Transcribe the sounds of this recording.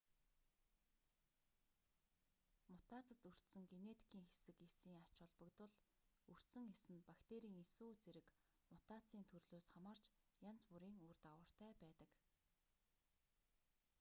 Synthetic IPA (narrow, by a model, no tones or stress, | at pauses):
mʊt̪aːt͡sə̆t̪ɵr̥t̪sɵ̆ŋɡenet̪ʰi̥kʰiːŋxesɘ̆kesiːŋḁt͡ɕʊɮpə̆kt̪ʊ̆ɮ | ɵr̥t̪sɘ̆ŋesɘ̆npakt̪eɾiːŋesoːt͡seɾɘ̆k | mʊt̪aːt͡siːnt̪ʰɵrɮoːsχamaːr̥t͡ɕjant͡spuɾiːŋuːrt̪awə̆r̥t̪æːpæːt̪ə̆k